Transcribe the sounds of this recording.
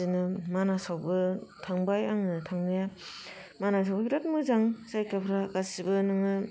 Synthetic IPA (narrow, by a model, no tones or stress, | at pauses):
inɯmanasawbɯtʰaŋbajaŋnɯtʰaŋnaja | manas̬awbɯbiɾat̚mɯzaŋsajkapʰɾakasibɯnɯŋɯ